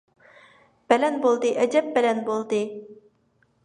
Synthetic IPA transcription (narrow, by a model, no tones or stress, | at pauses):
b̥ɛlɛnbolˠd̪ɨʔɛd͡ʒɛp̚bɛlɛnbolˠd̪ɨ